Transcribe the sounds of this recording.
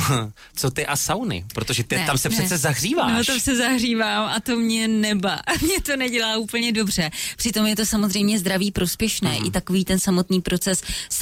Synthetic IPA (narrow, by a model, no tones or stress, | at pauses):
t͡so̞t̪ɪʔasawnɪ̰pɾot̪oʒɛt̪ɪt̪amsɛprɛt͡ssɛzaɦriːvaːnːot̪amsɛzaɦriːvaːmʔat̪o̞mɲɛnɛba̰mɲɛt̪o̞nɛɟɛlaːʔuːpl̩ɲɛdo̞br̝̥ɛpr̥ɪt̪o̞mjɛt̪o̞samozrɛjmɲɛzd̪ɾaviːpɾo̞spjɛʃnɛ̰ːʔɪ̰t̪ako̞viːt̪ɛnsamo̞t̪niːpɾʔo̞t͡sɛs